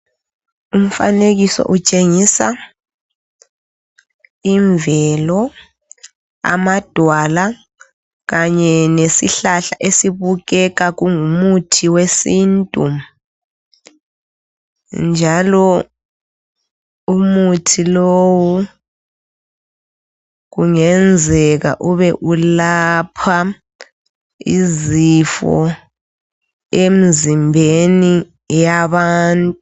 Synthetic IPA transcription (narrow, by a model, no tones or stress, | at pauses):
um̩fa̰neɣisɔ̰ʔut͡ʃʼeŋisa | iɱvɛlɔ | a̰mad̥ʱwala | ɣaɲɛnesḭɬaɬaʔesiβuɣɛɣaɣuŋumutʰiwesintʼum | nd͡ʒʱalɔ | umutʰilowɔ | ɣuŋɛnd͡zʱɛɣa̰ʔuβɛʔulapʰa | ḭzifɔ̰ | em̩zimbʱeni | jaβaːntʼu